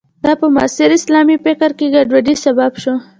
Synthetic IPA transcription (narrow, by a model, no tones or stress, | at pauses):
d̪̥ɑpəmɑ̰sɪɾɪslɑmipɪkaɾkeɡaɖwaɖisababʃo